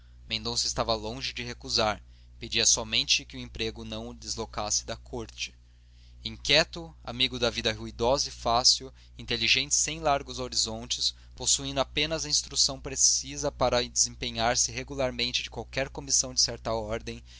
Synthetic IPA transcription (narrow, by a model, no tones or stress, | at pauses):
mẽnd̪õsʊɪst̪avɐlõʒɪd͡ʒɪɦekuzaɾ | ped͡ʒiɐsɔmẽnt͡ʃɪkɪuẽpɾeɡʊnɐ̃w̃d̪ɪzlokasɪ̥d̪ɐkʰoɾt͡ʃɪ̥ | ĩŋkʲɛt̪ʊa̰miɡʊd̪ɐvid̪ɐɦuid̪ɔzʊifasiuw | ĩnt̪eliʒẽnt͡ʃɪ̥sẽj̃laɾɡʊzoɾizõnt͡ʃɪs | posuĩnd̪ʊapẽnɐzɐĩst̪ɾusɐ̃w̃pɾesizɐpaɾɐd͡ʒɪzĩpẽɲaɾsɪɦeɡulaɾmẽnt͡ʃɪd͡ʒɪkwawkɛɾkomisɐ̃w̃d͡ʒɪsɛɾt̪ɐɔɾd̪ẽj̃